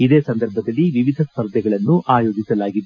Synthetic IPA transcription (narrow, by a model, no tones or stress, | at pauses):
id̪eːsɐnd̪ɐɾbʱɐd̪ɐlːiʋiʋid̪ʱɐspɐɾd̪jɛɡɐɭɐnːuʔaːjo̞ːd͡ʒisɐlaːɡid̪